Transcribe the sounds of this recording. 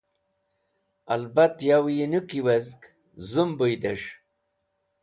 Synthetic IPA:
ɐlbat̪jawjinukiwɐzk | zumbujd̪eʂ

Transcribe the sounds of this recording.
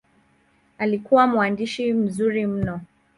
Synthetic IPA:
alikuwamuandiʃim̩zuɾim̩nɔ

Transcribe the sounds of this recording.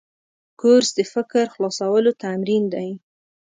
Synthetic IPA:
koɾsd̪əfɪkɾxlɑsawəlot̪amɾind̪aj

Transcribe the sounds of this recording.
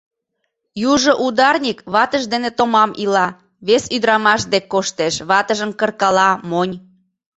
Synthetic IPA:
juʒŏʔud̪ɑrnʲikβɑt̪əʒd̪enet̪omɑmʔilɑ | βesyd̪ɾɑmɑʃd̪ekːoʃt̪eʃβɑt̪əʒəmkə̆rkɑlɑmonʲ

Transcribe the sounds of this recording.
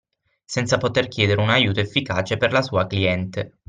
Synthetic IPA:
sɛnt̪sapot̪erkjɛːd̪eɾeunajuːt̪oefːikaːt͡ʃeperlasuːakliɛnt̪e

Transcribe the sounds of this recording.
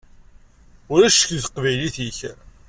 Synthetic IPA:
ʊɾæʃə̥kθə̥qvæjliθiç

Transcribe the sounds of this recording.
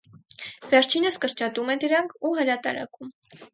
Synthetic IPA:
vɛɾt͡ʃʰinəskəɾt͡ʃɑt̪umɛd̪əɾɑŋkʰuɦəɾɑt̪ɑ̰ɾɑ̰kum

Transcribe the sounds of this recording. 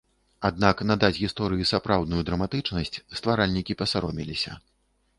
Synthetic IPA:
ad̪̚naknad̪at͡sʲɣʲist̪ɔɾɨjisapɾawd̪nujud̪ɾɐmat̪ɨt͡ʂnɐsʲt͡sʲst̪vaɾalʲnʲikʲipɐsaɾɔmʲilʲisʲɐ̰

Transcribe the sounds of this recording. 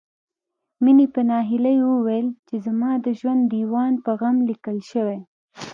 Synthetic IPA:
minipənɑɦɪlajwəwelt͡ʃezamɑd̪əʒwand̪d̪iwɑnpəɣamlikəlʃəwe

